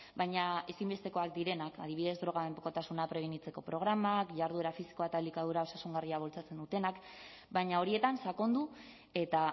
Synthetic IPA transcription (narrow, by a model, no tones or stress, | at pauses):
bajɲae̞simbe̞st̪e̞ko̞ak̚d̪iɾe̞nakað̞iβiðe̞zd̪ɾo̞ɣ̞aembokot̪asunapɾe̞β̞eɲit͡se̞ko̞pɾo̞ɣ̞ɾamakʝaɾðue̞ɾafisi̥ko̞at̪alikaðuɾao̞sasuŋɡariaβ̞o̞lt͡sat͡se̞nd̪ut̪e̞nak | bajɲao̞ɾie̞t̪ansako̞nd̪u | e̞t̪a